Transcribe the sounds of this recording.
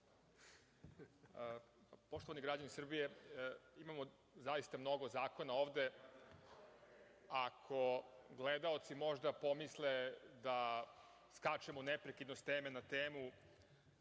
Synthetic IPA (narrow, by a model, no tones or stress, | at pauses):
po̞ʃt̪o̞ʋaniɡɾad͡ʑanisr̩bije̞imamo | zajist̪amno̞ɡo̞zaːko̞nao̞ːʋd̪e̞ | akʰo̞ɡled̪ao̞t̪simo̞ʒd̪apo̞misled̪a | skat͡ʃemonepɾekid̪nost̪eːmenat̪eːmu